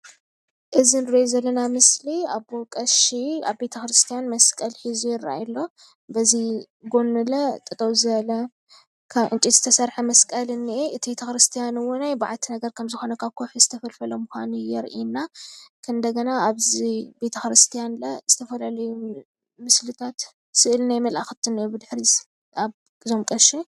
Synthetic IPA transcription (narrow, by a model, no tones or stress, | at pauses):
ʔɨzinɨɾojzɐlːɐnamɨsliaβbokʼɐʃia̰βbe̞t̪ʰɐxɾɨst̪ʰijanmɐskʼɐlħizujɪraa̰jlːo̞ | bɐzi | ɡo̞nːɨlɐt̪ʼɨt̪ʼowzɨβɐlɐ | kʰaʕɨnt͡ʃʼizɨ̥t̪ʰɐsɐɾħɐmɐskʼɐlɨnːiʔeʔɨt̪ʰibet̪ʰɐxɾɨst̪ʰijanɨwonajbaʕalt̪ʰinɐɡɐɾkʰɐmzɨxo̞nɐkʰaβkʰoħɨzɨt̪ʰɐfɐlfɐlɐmuxa̰nijɛɾʔḭnːakʰɨnd̪ɐɡɐnaaβzibe̞t̪ʰɐxɾɨst̪ʰijanlɐzɨt̪ʰɐfɐlalɐju | mɨslɨt̪ʰat̪ | sɨʔɨlnajmɐlʔaxɨt̪ʰɨniʔebɨd̪ɨħɾi | aβ | ɨzomkʼɐʃe